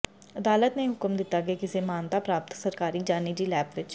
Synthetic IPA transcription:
əd̪aːlət̪nẽːɦʊkmd̪ɪt̪ːaːkeːkɪseːmaːnt̪aːpɾaːp̚t̪səɾkaːɾiːd͡ʒaːniːd͡ʒiːlɛːpʋɪt͡ʃ

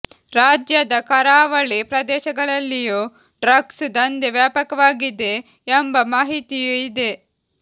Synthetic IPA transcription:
ɾaːd͡ʒjɐd̪ɐkɐɾaːʋɐɭipɾɐd̪ɛːʃɐɡɐɭɐlːiju | ɖɾɐɡsd̪ɐnd̪eʋjaːpɐkɐʋaːɡid̪e̞ː | mbɐmaːɦit̪ijuid̪e̞

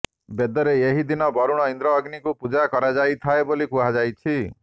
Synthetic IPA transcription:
bed̪ɔɾeeɦid̪inɔbɔɾuɽ̃ɔind̪ɾɔːɡnikupud͡ʒakɔɾad͡ʒajt̪ʰaebolikuɦad͡ʒajt͡ʃʰi

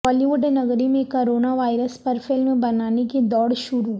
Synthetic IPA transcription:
ɔːliʋʊɖnɐɡɾimẽkoɾoːnaʋaːɪɾəspɐɾfɪlmbɐnaːneked̪ɔːɽʃʊɾu

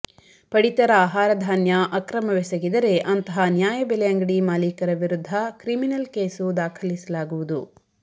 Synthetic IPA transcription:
pɐɽit̪ɐɾɐaːɦaːɾɐd̪ʱaːnjɐʔɐkɾɐmɐʋesɐɡid̪ɐɾe̞ʔɐnt̪ɐɦɐnjaːjɐbɛlɛjɐŋɡɐɽimaːliːkɐɾɐʋiɾud̪ʱːɐkɾiminɐlkeːsud̪aːkʰɐlisɐlaːɡuʋud̪u

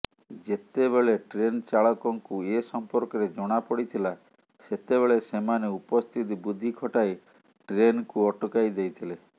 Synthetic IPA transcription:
d͡ʒet̪eβeɭeʈɾent͡ʃaɭɔkɔŋkuesɔmpɔɾkɔɾed͡ʒɔɽ̃apɔɽit̪ʰila | set̪ebeɭesemaneupɔst̪ʰit̪ibud̪ʱːikʰɔʈaj | ʈɾenkuɔʈɔkajd̪ejt̪ʰile

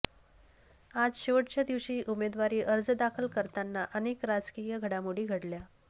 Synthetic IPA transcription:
ad͡zɕeʋəʈt͡ɕjad̪iʋɕiːʔumed̪ʋaɾiːʔəɾd͡zd̪akʰəlkəɾt̪anːaʔənekɾad͡zkijəɡʱəɽamuɽiːɡʱəɽlja

